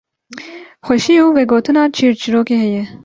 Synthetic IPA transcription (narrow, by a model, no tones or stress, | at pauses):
xʷɐʃiːuːweɡoːt̪ʰɨnɑːt͡ʃʰiːɾt͡ʃiɾoːkeɦɛje